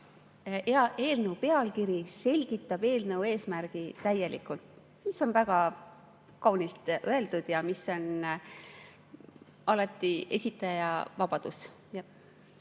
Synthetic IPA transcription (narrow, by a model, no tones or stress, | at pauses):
ɑeːlnəupe̞ɑlkiɾise̞lʲɡ̥it̪ːˑɑb̥e̞ːlnəue̞ːsmærɡ̥it̪æje̞lʔḭkˑult̪ | miso̞nvæɡ̥ɑ | kɑwnilt̪ʔøe̞ld̪ud̪̥jɑmisːo̞n | ʔɑlɑt̪ːˑie̞sʲit̪ːˑɑjɑvɑb̥ɑd̪̥us | jɑ